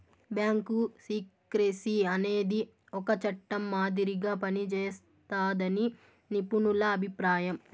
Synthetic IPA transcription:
bjaːŋkusiːk | ɾesiɐne̞ːd̪i | ɔkɐt͡ʃɐʈːɐmːaːd̪iɾiɡaːpɐnit͡ʃɛːs | t̪aːd̪ɐni | nipunulɐːbʱipɾaːjɐm

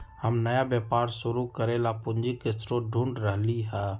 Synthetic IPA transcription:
həmnəjabjɛːpaːɾsʊɾukəɾeːlapʊnd͡ʒikɪsɾoɖʱũɳɖɾəɦliɦɛ

